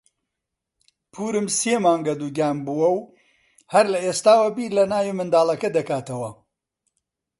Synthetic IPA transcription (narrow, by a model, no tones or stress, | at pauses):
pʰuːɾɨmseːmaːŋɡɐd̪uɡʲaːmbuwɐw | hɐɾlɐeːst̪aːwɐbiːlɐnaːjimɨnd̪aːlˠɐkɐd̪ɐkaːt̪ɐwɐ